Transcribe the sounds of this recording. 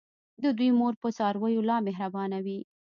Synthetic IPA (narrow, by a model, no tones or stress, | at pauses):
d̪əd̪wujmoɾpəsɑɾwəjolɑmeɦɾabɑnawi